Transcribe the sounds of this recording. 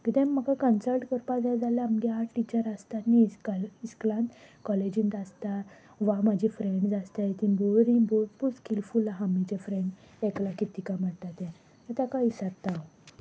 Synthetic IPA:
kit̪ɛ̃mːəkakənsəlʈkəɾpad͡zad͡zalamdiaʈit͡ɕəɾast̪aniskəlisklãnt̪kɔled͡ʑĩnt̪ast̪a | ʋamad͡ʑʱifɾeɳɖd͡zast̪ait̪ĩboɾĩboɾpuskilfulaɦamit͡ɕefɾẽɳɖ | eklakit̪ikam̤əɽʈ̪at̪ɛ̃ | at̪akaisəɾt̪aw

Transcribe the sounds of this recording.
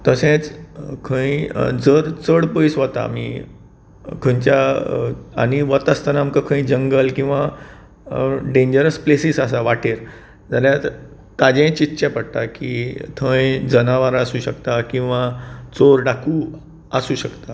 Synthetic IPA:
t̪əsẽt͡skʰə̃ĩd͡zəɾt͡səɽpəjsʋət̪a̰mḭ | kʰə̃ɲt͡ɕa | a̰ñiʋət̪əst̪anaːmkəkʰə̃ĩd͡ʑəŋɡəlkĩw̃ʋa | ɖẽɲd͡ʑəɾəsplesisəsaʋaʈeɾ | d͡zaɾja | t̪ad͡ʑẽt͡ɕit̪ːɕɛpəɽt̪akiːt̪ʰə̃jd͡zənaʋaɾasuːɕəkt̪akĩw̃ʋat͡soɾɖakʰuː | əsuːɕəkt̪a

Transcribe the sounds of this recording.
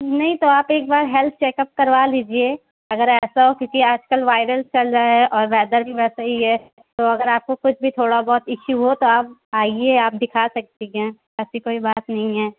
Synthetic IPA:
nɐɦĩt̪oaːpeːk̚baːɾɦɛlt̪̚ʰt͡ʃeːkəp̚kɐɾʋaliːd͡ʒie | ɐɡəɾɛːsaɦokjuːkiaːd͡ʒkəlʋaːɪɾəlt͡ʃɐld͡ʒaɦɛʔɔːɾʋɛːd̪əɾbʱiʋɛːsaɦiɦɛ | t̪oɐɡəɾaːp̚kokʊt͡ʃʰbʱit̪ʰoːɽabɔːt̪ɪʃuɦot̪oaːp̚aːieaːp̚d̪ɪkʰasɐk̚t̪iɦẽ | ɛːsikoːibaːt̪nɐɦĩɦɛː

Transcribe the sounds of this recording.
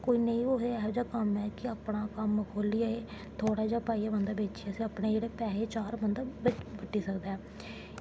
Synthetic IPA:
koːiːnəĩːoɦeɛːd͡ʒaːkəmɛːkɪəːpɳaːkəməkʰoːliːaeː | t̪ʰoːɽaːd͡ʒaːpaːijaːbənd̪aːbeːt͡ʃiaːsĩːəpɽeːd͡ʒeːɽeːpɛːɦeːt͡ʃaːɾbənd̪abbəʈːiːsəkd̪aɛː

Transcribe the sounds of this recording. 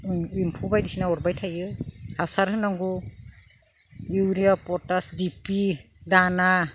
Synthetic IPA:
impʰubajdisinaɔɾbajtʰajɯhasaɾhɯnaŋɡu | iwɾiapɔtasdipi | dana

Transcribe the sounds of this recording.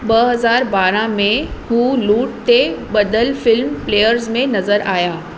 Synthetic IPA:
bɐɦɐzaːɾbaːɾãmẽhũːluːʈ̚t̪eɓɐd̪əlfɪlmpleːjəɾzmẽnɐzəɾaːjaː

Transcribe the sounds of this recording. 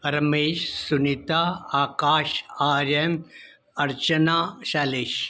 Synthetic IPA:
pɐɾɐmeːʃsunit̪aːaːkaːʃaːɾjɐm | ɐɾt͡ʃɐnaːʃaːleːʃ

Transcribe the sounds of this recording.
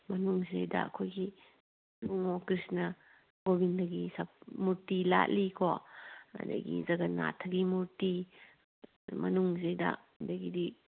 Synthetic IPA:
mɐnuŋzḛjdɐ̰kʰojɡi | luŋokɾisnɐ | ɡobindɐɡisɐpmuɾtila̰ʔlikʰoɐ̰dɐ̰ɡḭzɐɡɐna̰tʰɐɡimuɾti | mɐnuŋzejda̰ | dɐɡidi

